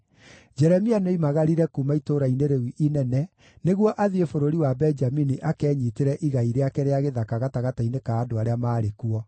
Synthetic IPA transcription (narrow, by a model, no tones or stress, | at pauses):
d͡ʒɛɾɛmianoimaɣaɾiɾɛkumaitoɾaineɾewiʔinɛnɛ | neɣwɔʔaðiefoɾoɾiwabɛnd͡ʒaminiʔakɛːɲiteɾɛʔiɣaiɾeakɛɾeaɣeðakaɣataɣatainekaːdoaɾeamaːɾekuɔ